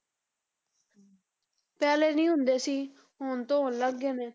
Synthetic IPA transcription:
pɛːleːnĩːɦʊnd̪eːsiː | ɦoːnt̪õːɦoːnləɡːeːneː

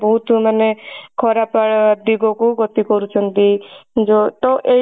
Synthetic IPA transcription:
bɔɦut̪manekʰɔɾapaɽd̪iɡɔkuɡɔt̪ikɔɾut͡ʃʰɔnt̪id͡ʒɔt̪ɔʔe

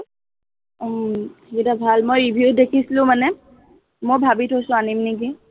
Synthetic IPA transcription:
tʰikitabʱalmojɹibʱiut̚dekʰislʊ̃manɛ | mojbʱabitʰɦosʊ̃animnik̬i

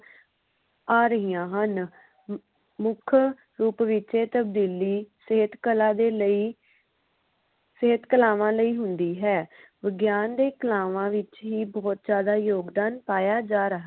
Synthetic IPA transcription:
aːɾəɦijãːɦən | mʊkʰ | ɾuːpʋɪt͡ʃeːt̪əb̚d̪iːliːsəɦət̪kəlãːd̪eːləiː | səɦət̪kəlaːʋãːləiːɦʊnd̪iːɦɛːʋəɡjaːnd̪eːkəlaːʋãːʋɪt͡ʃɦiːbɔːt̪̚d͡ʒjaːd̪aːjoːɡd̪aːnpaːjaːd͡ʒaːɾəɦa

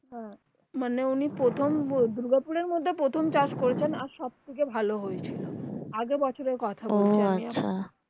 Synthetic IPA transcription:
ɦɛ̃ | maneunipɾot̪ʰomd̪uɾɡapuɾeɾmod̪ʱːepɾot̪ʰomt͡ɕaʃkoɾet͡ɕʰenaɾʃɔb̚t̪ʰikebʱaloɦojt͡ɕʰiloaɡebɔt͡ɕʰoɾeɾkɔt̪ʰabolʰeaiaɕʰa

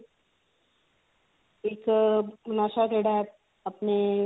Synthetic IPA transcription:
eːknaːʃakeːɽa | ɐpne

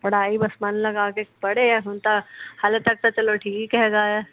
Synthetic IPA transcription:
pɐɽ̤aːibɐsmanlɐɡaːkepɐɽeɛsʊnt̪ahalet̪ɐk̚t̪at͡ʃɐloʈʰiːkikɛɦɡaːja

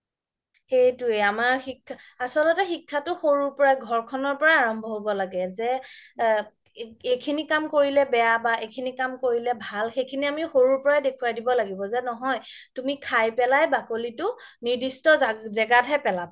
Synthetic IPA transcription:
xejtʊeamaɹxikʰːa | asɔlɔtɛxikʰːatʊxoɹuɹpɔɹaɡʱɔɹkʰɔnɔɹpɔɹaːɹɔmbʱɔɦobɔlaɡɛzɛ | ejkʰinikamkoɹilɛbɛjabaʔejkʰinikamkoɹilɛbʱalxejkʰiniamixoɹuɹpɔɹajdekʰuwadibɔlaɡibɔzɛnɔɦɔjtumikʰajpɛlajbakolitʊnidistɔzzɛɡatɦɛpɛlaba

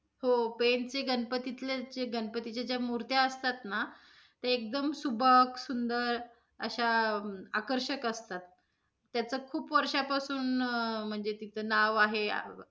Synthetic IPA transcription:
hopent͡seɡənpət̪it̪lad͡ʑeɡənpət̪it͡ɕjad͡ʑjamuɾt̪jaəst̪at̪na | t̪əɾek̚d̪əmsubʱəksund̪əɾ | ə̰ɕaa̰kəɾɕəkəst̪at̪ː | jat͡səːkʰuːpʋəɾʂapasuːnm̤əɳd͡zet̪it̪ʰənaʋaɦḛ

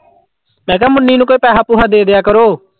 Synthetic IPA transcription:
mɛ̃ːk̬ɛːmʊnːiːnũːkoːpɛːɦaːpuːɦaːd̪eːd̪ɪjaːkəɾoː

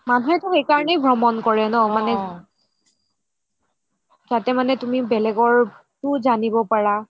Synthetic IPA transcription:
manuɦɛtʊxejkaɹɔnejbʱɹɔmɔnkɔɹɛnɔmanɛ | zatɛmanɛtumibɛlɛɡɔɹ | tʊzanibɔpaɹa

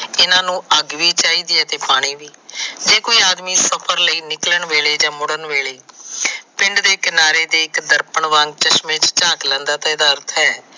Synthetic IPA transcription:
ɪnãːnũːəɡʋiːt͡ʃaːiːd̪iɛːt̪eːpaːɽ̃iːʋiːd͡ʒeːkoːiːaːd̪miːsəpʰəɾləiːnɪkləɳʋeːɭeːd͡ʒãːmʊɽəɳʋeːɭeː | pɪ̃ɳɖd̪eːkɪnaːɾeːd̪eːɪkd̪əɾpəɳʋãŋɡ̚t͡ʃəʃmẽːt͡ʃt͡ʃaːklɛ̃ːnd̪aːt̪ɛːd̪aːɾt̪ʰɦɛː

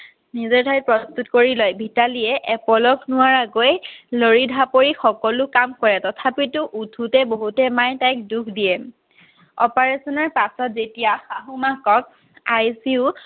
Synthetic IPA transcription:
nizɔɹdʰʱajt̚pɹɔstutkoɹilɔjbʱitaliɛʔɛpɔlɔkʰnʊwaɹaɡojloɹidʱapoɹixɔkɔlʊkamkɔɹɛtɔtʰapitʊʔutʰutɛboɦutɛmajtajk̚dukʰdijɛ | ɔpaɹesɔnɔɹpasɔtzetijaxaɦumakɔk̚ | ajsiʊ

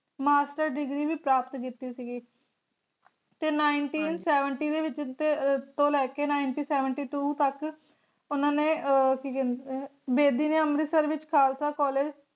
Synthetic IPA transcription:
maːsʈəɾɖɪɡɾiːʋiːpɾaːpət̪kit̪iːsiːɡiː | t̪eːnaːɪɳʈiːnsɛːʋəɳʈiːd̪eːʋɪt͡ʃt̪et̪õːlɛːkeːnaːɪɳʈiːsɛːʋəɳʈiːʈuːt̪ək | ʊnãːneːkiːkɛnbeːd̪iːneːəmɾiːsəɾʋɪt͡ʃkʰaːlsaːkɔːleːd͡ʒ

